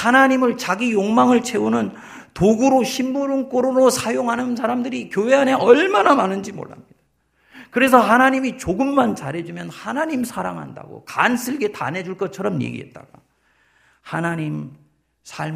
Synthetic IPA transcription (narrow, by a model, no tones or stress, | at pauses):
hanaɲimɯɭt͡ɕaɡijoŋmaŋɯɭt͡ɕʰe̞unɯn | toɡuɾoɕʰimbuɾɯŋk͈oɾoɾosʰajoŋɦanɯns̬ʰaɾamdɯɾikjoɦe̞ane̞ʔʌɭmanamanɯnd͡ʑimo̰ɭːa̰mɲid̥ḁ | kɯɾe̞s̬ʰʌhanaɲimit͡ɕoɡɯmːant͡ɕaɾɦe̞d͡ʑumjʌnhanaɲimsʰaɾa̰ŋɦa̰nda̰ɡo̰kansʰɯɭɡe̞ta̰ne̞d͡ʑuɭk͈ʌt̚t͡ɕʰʌɾʌmjḛɡḭe̞̰t̚t͈a̰ɡ̥a | hanaɲim | sʰaɭ